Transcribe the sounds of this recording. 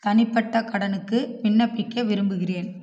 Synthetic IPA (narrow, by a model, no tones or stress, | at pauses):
t̪ɐnɪpːɐʈːɐkɐɽɐnɯkːɯʋɪɳːɐpːɪkːɐʋɪɾɯmbɯɣɪreːn